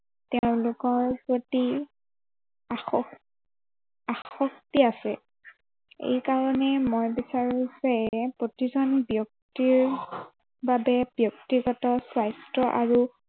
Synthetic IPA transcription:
teʊ̃lʊkɔɹpɹoti | axɔ | axxɔktiasɛ | ḛjkaɹɔnɛmojbisaɹuzɛpɹotizɔnbjɔk̚tiɹ | babɛb̥jɔk̚tiɹɡɔtɔswajstɹɔʔaɹu

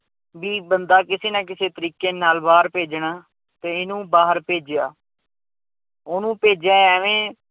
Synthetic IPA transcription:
ʋiːbənd̪aːkɪseːnãːkɪseːt̪əɾiːkeːnaːlbaːɾpeːd͡ʒɳaː | t̪eːɪnũːbaːɦəɾpeːd͡ʒɪja̰ː | oːnũːpeːd͡ʒjãːɛːʋẽː

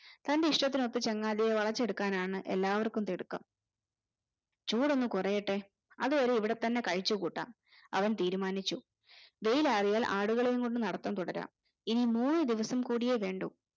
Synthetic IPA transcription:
t̪ɐnde̞iʂʈɐt̪ːino̞t̪ːɨt͡ɕeŋːaːðijeʋɐɭɐt͡ɕːe̞ɽukːaːnaːɳɨʔe̞̰lːaːʋɐrkːumt̪iɽukːɐ̰m | t͡ɕuːɽo̞nːukurɐjeʈːe̞ | ɐðuʋɐɾeiʋiɽe̞t̪ɐnːe̞kɐɻit͡ɕːukuːʈːa̰ːm | ɐʋɐnt̪iːɾumaːnit͡ɕːu | ʋe̞jilaːrijaːlʔaːɽuɣɐɭejuŋkoɳɖɨnɐɽɐt̪ːɐmt̪uɽɐɾa̰ːm | inimuːnːɨd̪iʋɐsɐmkuːɽije̞ʋe̞ːɳɖu

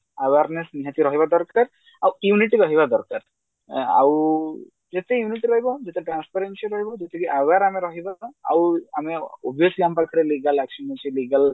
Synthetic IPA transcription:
awaɾnesniɦat̪iɾɔɦibad̪ɔɾkaɾ | awjuniʈiɾɔɦibad̪ɔɾkaɾ | a̰w | d͡ʒet̪ejuniʈiɾɔɦibɔd͡ʒet̪eʈɾanspaɾensiaɾɔɦibɔd͡ʒet̪ekiʔawaɾameɾɔɦibaa̰wameɔbʱiɔsliampakʰɔɾeliɡalɛksɔnɔsʰiliɡal

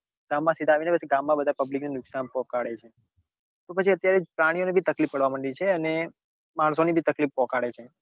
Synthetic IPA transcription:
ɡ̥amːãsid̪ʱaʋinebəsiɡamːãbəd̪ʱapəbliknenʊksanpɔ̃kaɽet͡ʃʰe | t̪opət͡ʃʰiət̪jaɾed͡ʒpɾaɽ̃ijonebʱit̪əklipːəɽʋaməɳɖit͡ʃʰeəne | maɳ̃sonibʱit̪əklifːɔ̃kaɽet͡ʃʰe

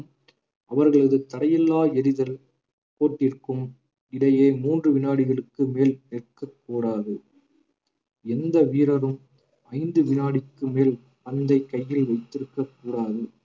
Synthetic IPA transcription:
ʔɐʋɐɾɣɐɭɐðɯt̪ɐɽɐjɛlːaːɛɾɪðɐl | koːʈːɪɾkɯm | ɪɽɐjeːmuːndrɯʋɪnaːɽɪɣɐɭɯkːɯmeːlnɛʈkɐkːuːɽaːðɯ | ɛnd̪ɐʋiːɾɐɾɯm | ɐɪnd̪ɯʋɪnaːɽɪkːɯmeːl | pɐnd̪ɐɪkːɐjːɪlʋɐɪt̪ːɪɾɯkːɐkːuːɽaːðɯ

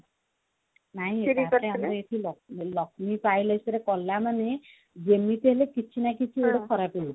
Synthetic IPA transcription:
naɦĩaeamɾɔeʈʰilɔlɔk̚ʰmipajlajsɔɾekɔlːamane | d͡ʒemit̪eɦelekit͡ʃʰinakit͡ʃʰieɽokʰɔɾapi

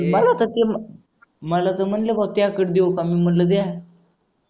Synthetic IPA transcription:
məlat̪ət̪em | məlat̪əm̤əɳlebat̪jakəʈd̪ekamiːm̤əɳləd̪a

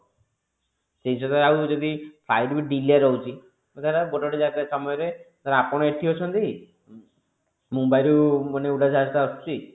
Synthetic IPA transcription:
seɦisɔt̪aɾaawd͡ʒɔd̪ipʰlajɖbiɖiliaɾɔɦut͡ʃʰi | mat̪aɾaboʈɔɽed͡ʒakesɔmɔjɔɾet̪aɾaapɔɽ̃ɔeʈʰiɦɔt͡ʃʰɔnt̪ii | mumbajɾumaneuɽad͡ʒast̪aɔsu̥t͡ʃi

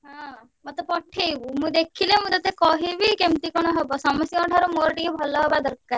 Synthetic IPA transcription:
ɦɔ̃ | mɔt̪ɔpɔʈʰebumũd̪ekʰilemũd̪ɔt̪ekɔɦibikemt̪ikɔɽ̃ɔɦebɔsɔmɔsjɔɔʈʰɔɾɔmoɾɔʈikebʱɔlɔɦebad̪ɔɾkːa

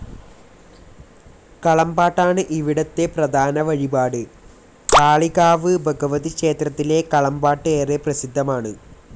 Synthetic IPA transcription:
kɐɭɐmbaːʈːaːɳɨʔiʋiɽɐt̪ːe̞prɐd̪ʱaːnɐʋɐɻibaːɽɨ | kaːɭiɣaːʋɨbʱɐɡɐʋɐðikʂeːt̪rɐt̪ːile̞kɐɭɐmbaːʈːɨeːreprɐsid̪ʱːɐmaːɳɨ

